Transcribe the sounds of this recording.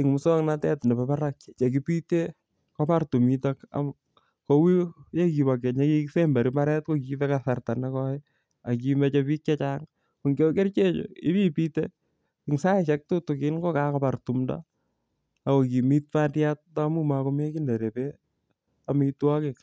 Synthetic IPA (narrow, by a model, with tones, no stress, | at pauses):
ɪŋmu˨sɔ˦ŋnatɛ˦tnɛ˨bapa˦ɾak̚e˨t͡ʃe˨k̬i˦pite˦ | kopa˦rtu˨mitaka̰m | ko˦wi˦je˦ki˨bake˨ɲe˦ki˦ksemba˨ɾi˦ma˦ɾɛ˦t̚ko˦kifɛkasa˨rta˨nakɔɪ | a˨k̬ime˦t͡ʃepi˦k̚t͡ʃe˦t͡ʃaŋ | u˨ŋɡo˦ke˦rt͡ʃe˦t͡ʃo̰i˦mi˦pite˦ | ɪŋsa˦eʃɛ˦k̚tutu˨kɪ˦nko˦kakɔpartumda̰ | ako˨ki˨mi˦t̚patjat̚tamu˦mako˦me˦kinde˨ɾe˨pe | amɪitwa˦kɪ˨k